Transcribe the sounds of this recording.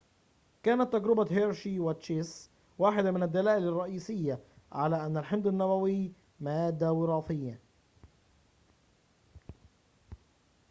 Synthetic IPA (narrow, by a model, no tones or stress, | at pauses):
kæːnæt̪ːæɡɾɪbæɦeɾʃiwæt̪ʃes | waːħɪd̪æmɪnæd̪ːælæːʔɪlɑrˤːɑʔiːsɪjːæ | ʕalæːʔænːælħɪnd̪ɪnːæwæwɪj | mæːd̪ːæwɪɾˤɑːfɪjːa